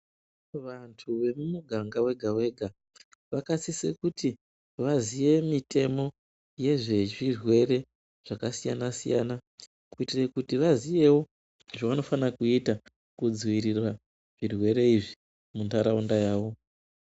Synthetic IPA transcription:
ʋantʰuʋe̞mumuɡʱaŋɡawe̞ɡʱawe̞ɡʱa | ʋakasisekuti | ʋazije̞mitʰe̞mo̞ | je̞ʐe̞ʐirwe̞re̞ | ʐ̥akasija̰nasija̰ːna | kuitirekutiʋazije̞wo̞ | ʐaʋano̞fanakuita | kud͡ziwiɾirwa | ʐ̥irwe̞ɾe̞iʐi | muntaɾaundajaːʋo̞

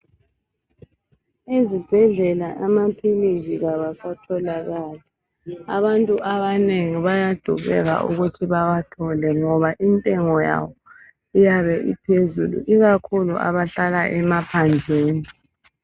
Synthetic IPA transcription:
ezib̥ʱɛɮɛlaʔamapʰiliziɣaβasatʰɔlaɣaːla | a̰βantʼuʔaβaneŋiβajad̥ʱuɣɛ̰ɣa̰ʔṵɣutʰiβawatʰɔlɛŋɔβaʔintʼɛŋɔja̰wɔ | ijaβɛʔḭpʰezṵlṵʔiɣakʰulṵʔa̰βaɬalaʔɛmapʰand͡ɮʱeːni

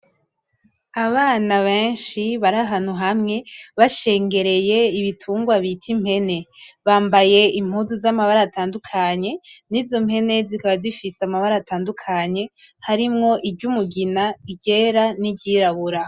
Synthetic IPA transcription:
aβaːnaβe̞ːnʃiβaɾaɦan̥huɦamŋe̞βaʃe̞ːŋɡe̞ɾe̞je̞iβitʰuːŋɡwaβitʰim̥he̞ne̞βaːmbaje̞im̥huːzuzamaβaɾaːtaːndukʰaɲe̞nizo̞mhe̞ne̞zikaβazifisamaβaɾataːndukʰaɲe̞ | haɾimŋo̞ʔibɟumuɡinaiɟe̞ːɾanibɟiːɾaβuɾa

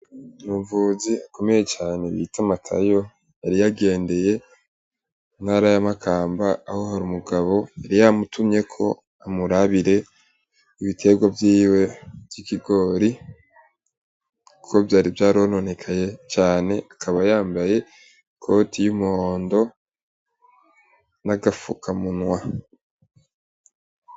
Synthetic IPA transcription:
nuɱvuziako̞me̞je̞t͡ʃaːne̞βḭtʰamatʰa̰jo̞ | jaɾijaɡe̞ːnde̞je̞ | n̥haɾajamakʰaːmbaːho̞haɾumuɡaβo̞aɾijamutʰumɲe̞kʰo̞̰ | amuɾaβiɾe̞ | iβitʰe̞ɡwavjiːwe̞vjikiɡo̞ːɾi | kukovjaːɾivjaːɾono̞ne̞kʰaje̞t͡ʃaːne̞ʔakʰaβajaːmbaje̞ | kʰo̞tʰijumuhoːndo̞ | naɡafukʰamunwa

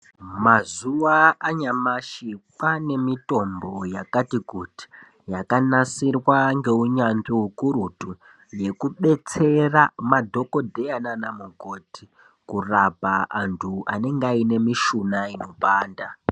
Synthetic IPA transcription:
mazuʋaaːɲamaʃipane̞mito̞mbo̞jakatikuti̥ | jakanasirwaŋɡe̞uɲaɲɡeukuɾutu | je̞kuɓe̞t͡se̞ramadʱo̞ko̞dʱe̞ananamuɡʱotʰi | kurapaantʰuane̞ŋɡaine̞miʃunaino̞ɓaːnda

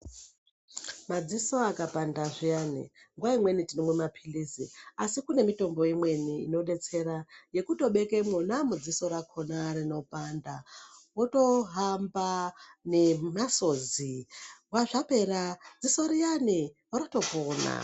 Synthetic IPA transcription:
mad͡ziso̞akapandaʐijanḭŋɡwaimwe̞nitinemwemapʰilisiasikune̞mito̞mbo̞imwe̞nḭːno̞ɗe̞t͡se̞ɾaje̞kuto̞ɓe̞ke̞monamud͡ziso̞ɾakʰonarino̞pandawoto̞ɦambanemaso̞ziɡwaʐape̞ɾad͡ziso̞ɾijaniwoɾoto̞pona̰

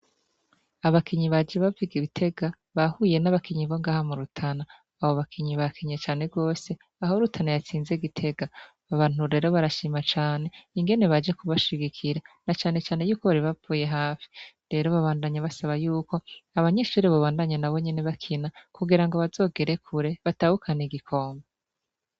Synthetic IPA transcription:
aβakʰiɲiβad͡ʒeβaviɡiβitʰe̞ɡa | βahuje̞naβakiɲiβo̞ŋɡaːhamuɾutʰanaː | βoβakʰiɲiβakʰiɲat͡ʃaːne̞ɡo̞ːse̞ | ahoɾutʰanajat͡siːnze̞ɡitʰe̞ɡaː | βaːn̥uɾe̞ːɾo̞βaɾaʃiːmat͡ʃaːne̞iŋɡe̞ne̞βad͡ʒekuβaʃiɡikʰiɾanat͡ʃaːne̞t͡ʃaːne̞juːkoβaɾiβapuːje̞ɦaːfi̥ | ɾe̞ɾo̞βaβaːndaɲaβasaβajuːko̞aβaɲeʃuːɾeβoβaːndaɲanaβoɲe̞neβakʰinakuɡiɾaŋɡoβazo̞ːɡe̞ɾe̞kʰuɾe̞βatahukʰaniɡikʰo̞ːmbe

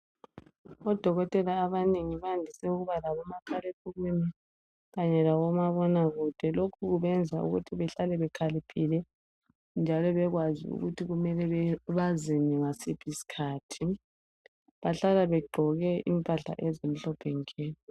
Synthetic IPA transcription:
ɔd̥ʱɔɣɔtʼɛlaːβaneŋiβandʱisɛuɣuβalaβɔmakʰalepʰuɣweni | ɣaɲɛlawɔmaβɔnaɣud̥ʱɛlokʰuɣuβɛnd͡zʱa̰ṵɣṵtʰiβɛɬalɛβɛkʰalipʰilɛ | nd͡ʒʱalɔβɛɣwazḭṵɣutʰiɣumɛlɛβɛβaziniŋasipʰisi̥kʰaːtʰi | βaɬalaβɛɡ͡ǃʱɔɣɛḭmpʼaɬa̰ʔɛzem̩ɬɔb̥ʰʱɛŋkʰeːni

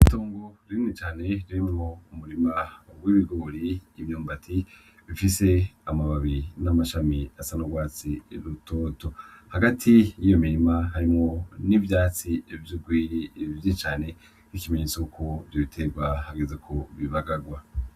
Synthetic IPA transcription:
ito̞ːŋɡoɾiimŋet͡ʃaːne̞ɾiɾimemo̞umuɾimawiβiɡoːɾiːvjoːmbatʰi | βifise̞amaβaβinamaʃamiasanoɡwaːt͡siɾutʰoːtohaɡatʰijijo̞miɾimaɦaɾimŋo̞nivjaːt͡sivjuɡwiːɾivjit͡ʃaːne̞ | kikimeɲet͡soukʰovjoβitʰeɡwahaɡezekʰoβiβaɡaɡwa

